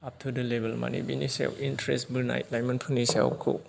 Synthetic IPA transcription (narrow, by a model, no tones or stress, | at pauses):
ap̚tʰudɐlebelma̰nḭbinisḛwpintɾesbiɾna̰jtlajmɐnpʰunisḛwkʰṵ